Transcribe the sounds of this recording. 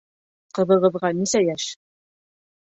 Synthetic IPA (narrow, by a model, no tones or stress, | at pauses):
qɤ̆βɤ̆ʁɤ̆ðʁɑnisæjæʃ